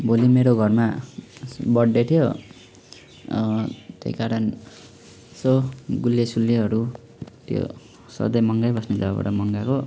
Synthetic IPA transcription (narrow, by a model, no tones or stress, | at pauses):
bolimeɾoɡʱʌrma | bʌɽːet̪ʰijo | t̪jḛikaɾʌn | sʌɡuljesuljeɦʌɾu | t̪jo̰ | sʌ̰d̪ʌjmʌŋɡajbʌsned͡zʌbaba̰ɽamʌŋɡako